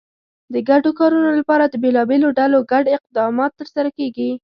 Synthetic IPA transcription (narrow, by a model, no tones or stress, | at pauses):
d̪əɡaɖokɑɾunolapɑɾad̪əbelɑbeloɖaloɡaɖɪq̚d̪ɑmɑt̪ːəɾsaɾakeɡi